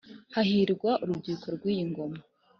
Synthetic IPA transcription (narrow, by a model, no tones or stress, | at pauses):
haɦiɾɡwaʔuɾubɟuːkoɾɡwiːjiŋɡo̞ma